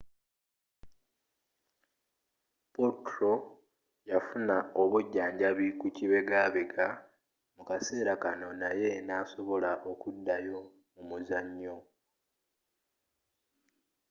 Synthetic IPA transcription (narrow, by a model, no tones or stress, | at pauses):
potɾo̞ | jafunaoβuɟːaːɲɟaβikuciβe̞ɡaːβeɡa | mukase̞ːɾakano̞naje̞naːso̞βo̞laʔo̞kudːajo̞ | mumuzaɲːo̞